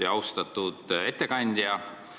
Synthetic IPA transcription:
iɑwst̪ɑt̪ːˑud̪̥e̞t̪ːe̞kɑnʲd̪̥ʲjɑ

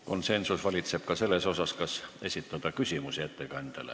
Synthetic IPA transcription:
ko̞nse̞nsusvɑlʲit̪se̞b̥̚kɑse̞lːeso̞sɑskɑse̞sit̪ːˑɑd̪̥ɑkysʲimusiæt̪ːekɑnd̪̥elḛ

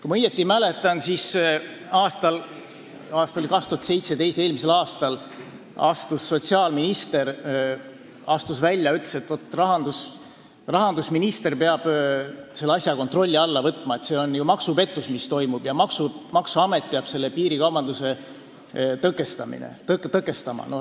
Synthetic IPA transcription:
kujmɤjet̪ːˑimæle̞t̪ːˑɑnsis | ɑːst̪ɑl | ɑːst̪ɑolikɑkst̪uhɑt̪se̞jt̪set̪ejst̪e̞ːlmise̞lɑːst̪ɑl | ɑ̰st̪usːo̞t̪siɑːlminist̪e̞ɾ | ɑst̪usvælʲːjɑyt̪le̥se̞t̪ːo̞t̪ːˑrɑɦɑnd̪us | rɑɦɑnd̪usminist̪e̞rpeɑb̥se̞lːɑsʲjɑko̞nt̪ro̞lʲːiɑlːɑvɤt̪ːˑmɑe̞t̪se̞ːo̞njumɑksupe̞t̪ːˑusmist̪o̞jmub̥jɑmɑksumɑksuɑme̞t̪̚peɑb̥se̞lːepiːɾikɑwbɑnd̪use̞ | t̪ɤkːˑe̞st̪ɑmḭnḛt̪ɤkt̪ɤkːˑe̞st̪ɑmɑ̰no

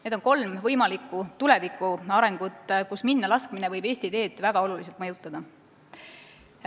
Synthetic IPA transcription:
ne̞d̪onko̞lmvɤjmɑlikːˑut̪ule̞vikːˑuɑɾe̞ŋɡ̥ut̪ːˑkusminːɑlɑskminevɤjbe̞ːsʲt̪id̪̥e̞ːd̪̥væɡ̥ɑo̞lulis̬elt̪mɑjut̪ːˑɑd̪̥ɑ

